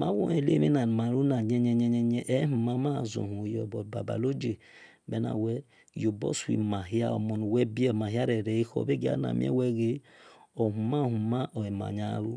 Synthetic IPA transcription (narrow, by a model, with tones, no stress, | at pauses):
ma̰˦wo̰˦e˨lḛ˦mi˦na˨n˨ma˨ɾu˦na˨ɲɛ˦ɲɛ˦ɲɛ˦ɲɛ˦ɲɛ˦ʔɛ˦hu˨ma˦ma˦˨zo̰˨hu˨jɔ˨bɔ˨ba̰˨ba̰˨lo˦d͡ʒe˨ | bɛ˦na̰˨wɛ˦ | jo˨bɔ̰˦sḭ˨ma˨ɦi˦a̰˦o̰˨mo˨n˨wɛ˦bi˦ɛ˦˨ma˨ɦi˦a˦ɾɛ˨ɾɛ˨˦i˦ho̰˨be˦ɡi˦a̰˦na̰˨mḭ˦ɛ̰˦wɛ˦ɡe˦ | o˨ɦu˨ma˦˨hu˨ma˦ʔo˨e˨ma̰˨ɲa˦ɾu˦